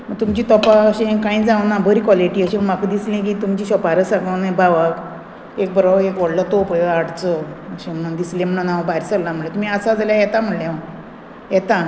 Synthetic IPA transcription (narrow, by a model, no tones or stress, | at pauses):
məɡ̚t̪umt͡ɕiːt̪ɔpaəɕẽkãĩd͡zãʋənabʱəɾiːkʋɔliʈiːəɕẽm̤akəd̪islẽkiːt̪umt͡ɕiːɕɔpaɾəsãɡənebaʋak | ek̚bəɾoʋekʋɔɽlət̪opjaɽt͡səəɕẽm̤əɽ̃und̪islẽm̤əɽũnaʋbaɾsəlːam̤əɭlet̪um̤iəsad͡zaljajɛt̪am̤əlẽ | jɛt̪a